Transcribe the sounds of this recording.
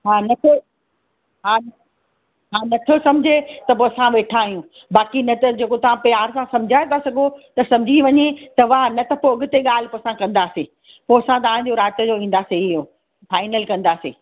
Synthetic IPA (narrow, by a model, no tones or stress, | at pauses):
ɦaːnɐt̪ʰo | ɦaː | ɦaːnɐt̪ʰosɐ̃md͡ʑʱet̪ɐpoːsãʋeːʈʰãːɦijũ | baːkinɐt̪ɐd͡ʑeːkot̪ɐʋ̤ãpijaːɾsãsɐ̃md͡ʑʱaːẽt̪ʰasɐɡʱot̪ɐsɐ̃md͡ʑʱiʋɐɲet̪ɐʋaːnɐt̪ɐpoɐɠʊt̪eɠaːl̤ɪpoːsãkɐ̃nd̪aːseː | poːsãt̪ɐaːɽ̃d͡ʑoɾaːt̪əd͡ʑoːʋĩːn̆d̪aːseɪɦoː | faːɪnəlkɐ̃nd̪aːsḛː